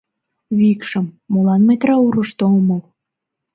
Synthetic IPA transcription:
βikʃəmːolɑnmet̪ɾɑuɾəʃt̪olmo

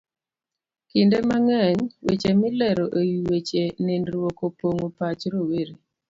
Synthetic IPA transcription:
kɪndemaŋɛɲwet͡ʃemɪlɛɾoʔejiwet͡ʃenɪnɾwokopoŋopat͡ʃɾoweɾi

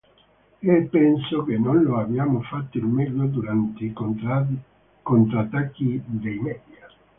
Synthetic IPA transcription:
epːɛnsokenːonloabjaːmofat̪ːoilmɛlːod̪uɾant̪e | kont̪ɾat̪ːakːid̪ejmɛːd̪ja

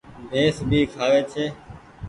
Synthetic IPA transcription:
bʱeːsbʱiːkʰaːʋeːt͡ʃʰeː

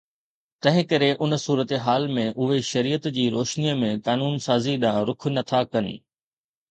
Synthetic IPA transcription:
t̪ɐ̃ɦɪ̃kɐɾeʔʊn̆suːɾət̪eɦaːlmẽʔʊɦeʃɐɾiːət̪d͡ʑiːɾoːʃniəmẽkaːnuːnsaːziɗãːɾʊk̆ʰnɐt̪ʰakɐn̆

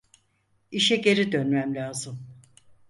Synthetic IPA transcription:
iʃɛɟe̞ɾid̪ø̞nmæmlʲaːzɯm

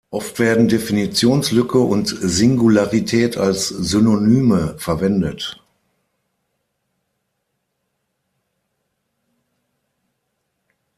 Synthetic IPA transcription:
ʔɔftv̥eːɐdn̩definit͡sjoːnslʏkʰəʔʊntzɪŋɡulaʁitʰɛːtʰa̰lszynonyːməfɛɐvɛndət

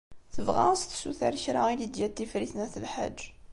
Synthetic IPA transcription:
θəvʁa̰sθsuθa̰ɾəçɾaid̪id̪jæt̪ːifɾiθnæθəlħa̰d͡ʒː

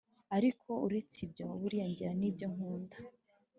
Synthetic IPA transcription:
aɾikʰo̞uɾe̞t͡sibjo̞βuɾijaɲɟiɾaniːbjo̞ŋ̥huːndḁ

